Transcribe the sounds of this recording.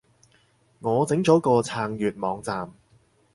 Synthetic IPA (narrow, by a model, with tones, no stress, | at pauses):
ŋɔː˨˧t͡sɪ˨˥ŋt͡sɔː˨˥kɔː˧t͡sʰaː˧ŋjyː˨˩t̚mɔː˨˧˥ŋt͡saː˨m